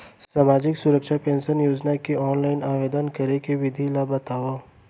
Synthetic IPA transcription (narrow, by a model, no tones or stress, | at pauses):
saːmaːd͡ʒɪksʊɾəkʃapẽːnsənjoːd͡ʒnakiɔːnlaːɪnaːʋeːd̪ənkɐɾekeʋɪd̪ʱilaːbɐt̪aːʋa